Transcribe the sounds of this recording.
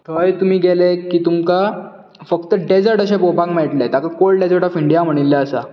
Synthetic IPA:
t̪ʰəjt̪um̤iːɡelekiːt̪umka | fək̚t̪əɖed͡zəɾʈəɕ̬apobãkmeʈlat̪jakakolɖed͡zəɾʈɔfiɳɖijam̤əɽ̃ilːaəsa̰

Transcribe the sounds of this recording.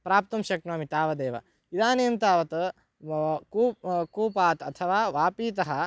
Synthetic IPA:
pɾaːp̚t̪ɐmʃɐk̚naːmit̪aːʋɐd̪eːʋɐ̰ | id̪aːneːmt̪aːʋɐt̪ | kukuːpaːt̪ɐt̪ʰɐʋaːʋaːpiːt̪̬ɐɦɐ

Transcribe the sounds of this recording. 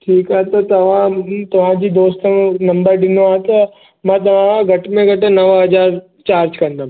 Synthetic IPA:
ʈʰiːkat̪at̪əʋãt̪əʋ̤ãd͡ʒid̪oːst̪ənəmbəɾɖɪnoat̪a | mə̃t̪̬əʋãɡʱəʈmẽɡəʈẽnəʋaɦəd͡ʒaːɾ | t͡ʃaːɾd͡ʒkənd̪a

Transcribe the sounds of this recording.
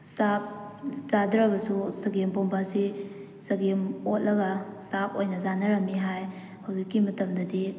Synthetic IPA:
sak̚ | zadɾɐbɐsusɐɡempompasi | sɐɡemot̚lɐɡɐsakojnɐzanɐɾɐmːiɦaj | hawzikːimɐtɐmdɐdi

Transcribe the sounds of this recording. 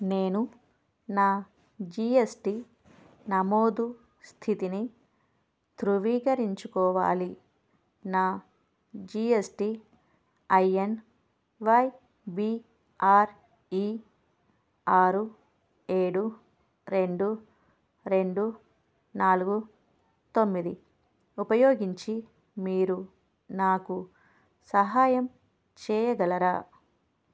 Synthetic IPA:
neːnu | naː | d͡ʒiːesʈi | nɐmoːd̪u | st̪ʰit̪ini | t̪ɾuʋiːkɐɾiɲt͡ʃukɔːʋa̰ːli | naː | d͡ʒiesʈi | ɐjen | ʋɐj | biː | aːɾ | i | aːɾu | eːɽu | ɾe̞ɳɖu | ɾe̞ɳɖu | naːluɡu | t̪o̞mːid̪i | upɐjoːɡiɲt͡ʃi | miːɾu | naːku | sɐɦaːjɐm | t͡ʃɛːjɐɡɐlɐɾaː

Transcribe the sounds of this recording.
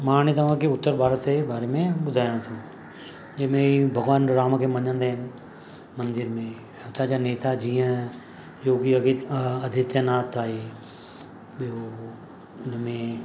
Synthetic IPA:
maːñet̪ɐʋ̤ãkeʊt̪ːəɾbʱaːɾət̪ebaːɾemẽɓʊd̪ʱaːjãt̪ʰũː | d͡ʒemẽibʱɐɡʋaːnɾaːmkʰemɐɲə̃nd̪aɦɪnɪ̆ | mɐ̃nd̪ɪɾmẽ | ʊt̪ad͡ʑaneːt̪ad͡ʑiːə̃ | joːɡiɐd̪ʱit̪jənaːt̪aːɦe | ɓijo | ʊnəmẽ

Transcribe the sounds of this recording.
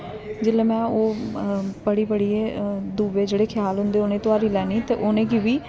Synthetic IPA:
d͡ʒɪlẽːmɛ̃ːoː | bəɽiːbəɽiːed̪uːʋeːd͡ʒeːɽeːkʰɪjaːlɦʊ̃nd̪eːoːnẽːt̪ʊaːɾiːlɛːniːt̪eːʔoːnẽːɡiːʋiː

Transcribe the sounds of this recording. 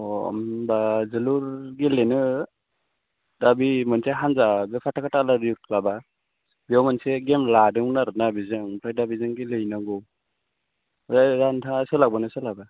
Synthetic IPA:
ɔ̰mbazɯluɾɡelenɯ | dabimɯnseɦanzabepʰatʰakʰatalaɾut̚laba | biawmanseɡemladɯŋnaɾɯnabizɯŋpʰɾajdabizɯŋɡilɯjnaɡɔ | zaɾantʰaŋsɯlaɡbɯnɯsɯlaba

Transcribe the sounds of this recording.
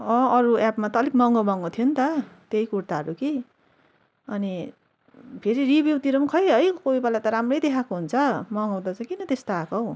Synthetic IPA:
ʌ̃ʌɾuapmat̪ʌlikmʌŋɡʌmʌŋot̪ʰijont̪ʌt̪eikurt̪aʌɾuki | ʌni | pʰeɾiribjiwt̪iɾʌmkʰʌjɦʌjkoibalajt̪ʌɾamrʌjd̪ekʰakoɦunt͡sʰʌmʌŋaw̃d̪at͡sãj̃kinʌt̪est̪aakʌw

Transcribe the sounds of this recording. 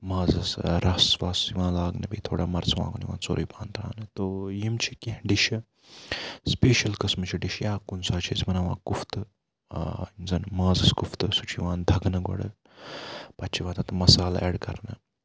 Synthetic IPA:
mãːzɐsɾɐsʋaːsiʋãːlaːɡnɐbiːt̪ʰoːɽaːmɐɾt͡sʋã̰ːɡoniʋã̰ːt͡so̰ːɾiːbãːnt̪ʰɾa̰ːnɨt̪oːjimt͡ʃʰikĩɦɖiʃi | speːʃɐlkɐsmɨt͡ʃʰiɖiʃjaːkunsaːt͡ʃʰizmɐnaʋã̰ːkuft̪ɨ | nzɐnmãːzɐskuft̪ɨsut͡ʃʰiʋãːnd̪ʱɐɡnɨɡɐ̰ɽɨ̰ | pɐtːt͡ʃʰiʋãːt̪ɐt̪mɐsaːla̰eːɽkɐ̰ɾnɨ̰

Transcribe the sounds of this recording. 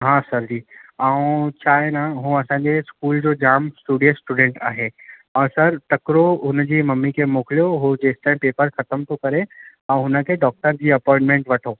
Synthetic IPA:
ɦãːsɐɾd͡ʑiːaːũt͡ɕʰaːɦenaɦũːɐsãːɲd͡ʑeskuːld͡ʑoːd͡ʑaːmsʈuːɖijəsʈuːɖẽːɳʈa̰ːɦeː | ɔːsɐɾʈɐkɾoʊnəd͡ʑiːmɐmːikʰemoːkɪlijoɦod͡ʑeːsʈãːpeːpəɾxɐt̪əmt̪ʰokɐɾeɛ̃ːɦʊnə̆kʰeːɖɔːk̚ʈəɾd͡ʑiːɐpɔ̃ːɪ̃ɳʈmẽːɳʈʋɐʈʰoː

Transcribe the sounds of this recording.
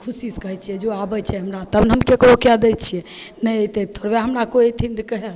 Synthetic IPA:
kʰusiskəɦɛt͡ʃʰijɛd͡ʒoabət͡ʃʰɛɦəmɾat̪əbnɦəmkekɽokɛd̪ɛt͡ʃʰijɛnəjt̪ɛt̪ʰoɾbeaɦəmɾakoet̪ʰiɳɖkəɦɛl

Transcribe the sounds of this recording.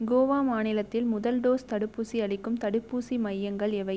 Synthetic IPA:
ɡoːʋaːmaːnɪlɐt̪ːɪlmʊðɐlɖoːst̪ɐɽɯpːuːsiɐɭɪkːɯmt̪ɐɽɯpːuːsimɐjːɐŋɡɐɭɛʋɐɪ

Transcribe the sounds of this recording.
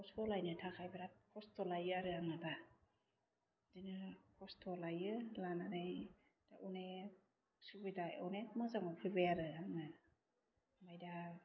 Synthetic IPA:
pʰɔstɔlajnɯtʰakʰajbeɾat̚kʰɔstʰɔlajɯaɾɯaŋɯda | dinɯkʰɔstʰɔlajɯlananɯj | d̥aʔune | subɯjdaɔnetmɯzaŋapʰɯbejaɾɯaŋɯ | majda

